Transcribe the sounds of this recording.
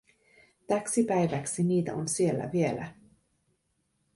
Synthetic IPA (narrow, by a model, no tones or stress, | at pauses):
t̪æksipæjʋæksiniːt̪æ̰onsielːæ̰ʋie̞læ̰